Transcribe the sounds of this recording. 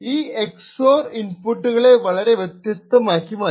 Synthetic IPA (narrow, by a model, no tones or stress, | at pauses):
iːɛksoːɾɪnpʊʈːɯɣɐɭeʋɐɭɐɾeʋɛt̪ɾɪt̪ːɐmaːkːimaː